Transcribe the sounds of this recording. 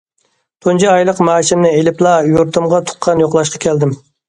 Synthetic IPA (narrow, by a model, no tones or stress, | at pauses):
t̪ʰond͡ʒɑɑjlˠəqmɑːʃɪmnɪelɪplˠɑjoɾt̪ʰʊmʁɑt̪ʰʊ̥qʰːɑnjoqlˠɑʃqʰɑ̥kʲʰɛld̪ɪm